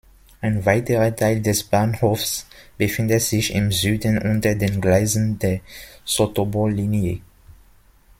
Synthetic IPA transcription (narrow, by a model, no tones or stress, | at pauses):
ʔaɪnvaɪtəʁɐtʰaɪldɛsb̥aːnhoːfsb̥əfɪndətz̥ɪçɪmzyːdn̩ʔʊntɐdeːnɡlaɪzn̩deːɐsotobolːiːnjə